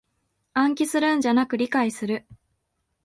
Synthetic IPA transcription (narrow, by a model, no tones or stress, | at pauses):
ãŋk̬ʲisɨɾɯ̟̃ɲ̟d͡ʑanakɯ̟ɾʲikaisɨɾɯ̟